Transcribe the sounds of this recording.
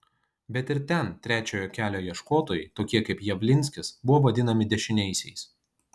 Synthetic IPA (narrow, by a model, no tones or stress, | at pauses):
bʲɛt̪ɪɾt̪ʲɛnt̪ʲɾʲæːt͡ʃʲoːjoːkʲæːlʲoːjiɛʃkoːt̪oːjɛɪt̪oːkʲiɛkɐɪpjɛʋʲlʲɪnʲsʲkʲɪsbʊʋoːʋɐd̪ʲɪnɐmʲɪd̪ʲɛʃʲɪnʲɛɪsʲɛɪs